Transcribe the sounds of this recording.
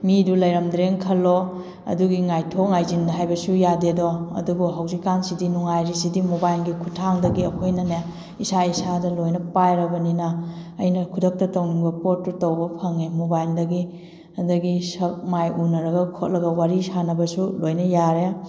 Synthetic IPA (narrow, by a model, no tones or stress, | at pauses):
midulɐjɾɐmdɾeŋkʰɐlːo | ɐ̰duɡiŋajtʰok̚ŋajzindɐɦajbɐsujadedoɐ̰dubuɦɐwzikːansidinuŋajɾisidimubajlɡikʰutʰːaŋdɐɡiɐkʰojnɐne | isaisadɐlojnɐpajɾɐbɐninɐːjnɐkʰudɐk̚tɐtɐwniŋbɐpotːutɐwbɐpʰɐŋemubajldɐɡi | ɐdɐɡisɐk̚majunɐɾɐɡɐkʰot̚lɐɡɐwaɾisanɐbɐsulojnɐjaɾe